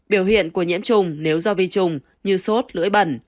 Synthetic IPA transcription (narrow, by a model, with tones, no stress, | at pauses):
ɓi˧˩əwhḭ˧˨ənku˧˩əɲḭ˧˥əmt͡ɕʊ˧ŋ͡mne˨˦wzɔ˧vi˧t͡ɕʊ˧ŋ͡m | ɲɨ˧so˦˥t̚lɨ̰˧˥əjɓə˧˩n